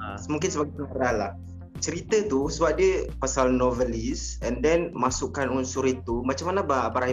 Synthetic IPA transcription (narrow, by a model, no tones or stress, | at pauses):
asəmũŋkɪnsəbaɡajpəŋaɾalah | t͡ʃəɾit̪ət̪usəbap̚diəpasalnɔvəlisɛndɛnmasukanunsʊɾit̪umat͡ʃamanabaabaɾaɦi